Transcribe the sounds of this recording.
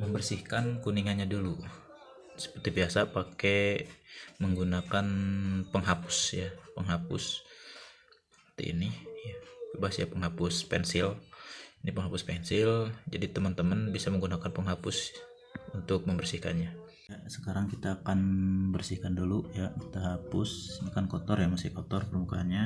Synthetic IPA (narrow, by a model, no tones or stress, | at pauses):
məmbərsihkankuniŋanɲadulu | sə̥pərt̪ibiasapake | məŋɡunakanpəŋɦapʊ̥sjapəŋɦapʊ̰s | pərt̪ḭʔḭnijabebaɦasjapəŋɦapʊspɛnsɪlinipəŋɦapʊspɛnsɪld͡ʒadit̪əmənt̪əmənbisaməŋɡunakanpəŋɦapʊs | unt̪ʊk̚məmbərsihka̰nɲa | jasəkaɾaŋkit̪aːkanbərsihkandulujakit̪aɦapʊsbakankɔt̪ɔrjamasɪhkɔt̪ɔrpərmukaanɲa